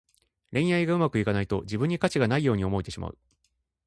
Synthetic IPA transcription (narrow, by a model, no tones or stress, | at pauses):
ɾẽ̞ɰ̃jaiɡaɯ̟makɯ̟ikanait̪o̞̰d͡ʑibɯ̟ɲ̟ːikat͡ɕiɡanaijo̞ːɲ̟io̞mo̞it̪e̞ɕima̰ɯ̟̰